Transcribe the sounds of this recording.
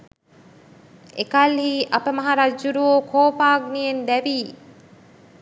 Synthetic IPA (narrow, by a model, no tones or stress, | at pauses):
ekalɦiːʔapəmaɦaɾad͡ʒuɾuoːkʰoːpaːɡnijend̪æʋiː